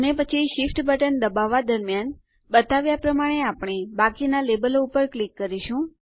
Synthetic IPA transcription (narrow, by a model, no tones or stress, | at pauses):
ənepət͡ʃʰiʃifʈbəʈənd̪əbaʋːad̪əɾmjan | bət̪aʋjapɾəmaɽ̃eapɳ̃ebakinalebəloupəɾklikːəɾiʃũ